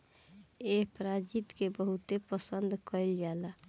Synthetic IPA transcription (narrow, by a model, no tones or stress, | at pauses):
epɾad͡ʒit̪kebəɦut̪epəsənd̪kəild͡ʒala